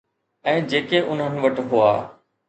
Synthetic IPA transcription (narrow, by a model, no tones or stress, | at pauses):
ɛ̃ːd͡ʑeːkeʔʊn̤ənɪ̆ʋɐʈɦʊaː